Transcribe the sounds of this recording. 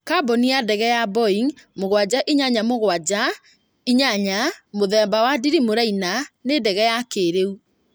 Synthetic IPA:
kabɔniadɛɣɛjabɔiŋmoɣwad͡ʑaʔiɲaɲamoɣwad͡ʑa | iɲaɲamoðɛmbawadiɾimoɾainanedɛɣɛjakeɾeu

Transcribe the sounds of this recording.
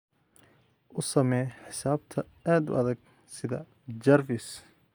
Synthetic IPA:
ʔʊsɐmɛjħɪsaːb̚t̪ʰɐ | aːd̪ʊ̰ʔɐðɐɡ | sɪðɐ | d͡ʒɐrvɪs

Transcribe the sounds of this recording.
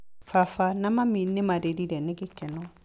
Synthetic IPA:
fafanamaminːɪmadedidɛnɪɡɪkɛnɔ

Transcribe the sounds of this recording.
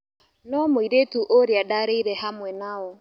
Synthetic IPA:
nɔmoiɾetuʔoɾeadaɾeiɾɛhamwɛnaɔ

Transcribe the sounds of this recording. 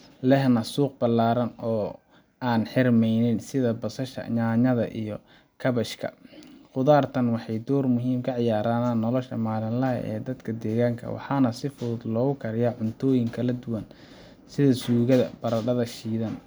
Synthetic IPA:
lɛɦnɐsuːq̚bɐlːaːɾɐnɔː | aːnħɪrmɛjnɪnsɪðɐbɐsɐʃɐ̰ɲaːɲɐðɐʔḭjɔ | kʰɐβɐʃkʰɐ̰qʊðaːrt̪ʰɐnwɑħɑjd̪ɔːrmʊɦiːmkʰɐʕɪjaːɾaːnanːɔlɔʃɐmaːlɪnlɐɦɐ̰ʔɛ̰ːd̪ɐd̪kʰɐd̪ɛːɣaːŋkʰɐ̰wɑ̰ħɑːnɐsɪfʊðʊd̪lɔːɣʊkʰɐɾɪjaʕʊnt̪ʰɔːjɪŋkʰɐlɐd̪ʊwɐn | sɪðɐsuːɣɐðɐb̥ɐɾɐɖɐðɐʃiːðɐn

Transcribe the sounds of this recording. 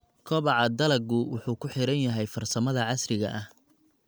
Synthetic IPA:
kʰɔβɑʕɑd̪ɐlɐɡʊwʊħuːkʰʊħɪɾɐnjɐɦɛjfɐrsɐmɐðɐʕɑsrɪɣɐʔɐh

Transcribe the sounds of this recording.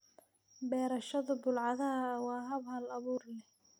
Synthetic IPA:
bɛːɾɐʃɐðʊbʊlʕɑðɐɦɐwɑːɦɐβhɐlɐβuːrlɛ

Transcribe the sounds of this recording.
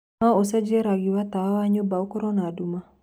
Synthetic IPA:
naosɛd͡ʒɛɾaɡiwat̪awawaɲobaokoɾɔnaduma

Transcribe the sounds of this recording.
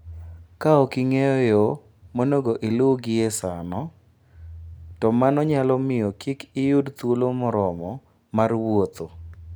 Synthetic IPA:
kaɔkɪŋejɔjɔ | monoɡoʔɪlʊɡɪesanɔ | tɔmanɔɲalɔmɪjɔkʰikɪjudt̪wolomɔɾɔmɔ | marwot̪o

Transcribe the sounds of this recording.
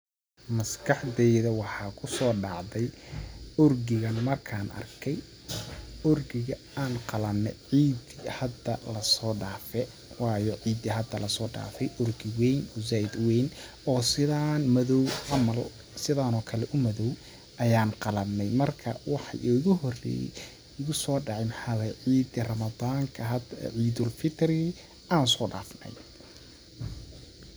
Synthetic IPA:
mɐskʰɑħd̪ɛjðɐwɑħɑːkʰʊsɔːɖɑʕðɛj | ʊrɡɪɣɐnmɐrkʰaːnʔɐ̰rkʰɛj | ʊrɡɪɣɐ | aːnqɑlɐnːɛ̰ʕiːd̪ihɐd̪ɐlɐsɔːɖaːfɛ | wɑːjɔʕiːd̪iɦɐd̪ɐlɐsɔːɖa̰ːfɛjʔʊrɡɪwɛjnʊzaːɪd̪wɛjn | ɔːsɪðaːnmɐðɔwʕɑmɐl | sɪðaːnɔːkʰɐlɛʔʊmɐðɔw | ʔɐjaːnqɑlɐbnɛjmɐrkʰɐwɑħɑ̰jʔʊɣʊɦɔrɛ̰ | ʊɣʊsɔːɖɑʕɪjmħɑlɛʕiːd̪ɪrɐmɐðaːŋkʰɐɦɐʕiːd̪ʊlfɪt̪ʰri | ʔaːnsɔːɖa̰ːfnɐ̰j

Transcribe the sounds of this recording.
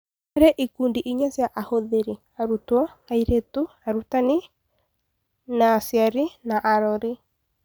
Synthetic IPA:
aɾeʔikundiʔiɲasjaʔahoðeɾi | aɾutwɔaiɾetu | aɾutani | nasjaɾinaʔaɾɔɾi

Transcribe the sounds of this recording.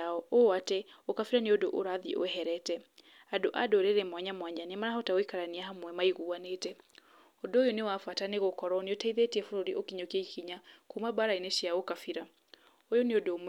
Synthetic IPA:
aɔoatɛokafiɾaneodoʔoɾaðiʔo̰ɛɦɛɾɛtɛ | adoʔadoɾeɾɛmwaɲamwaɲanimaɾaɦɔtaoikaɾaniaɦamwɛmaiɣuanetɛ | odojonewafataneɣokɔɾɔneotaiðetiɛfoɾoɾiʔokiɲokiaikiɲakumabaɾaineɕjaɣokafiɾa | ojoneodom

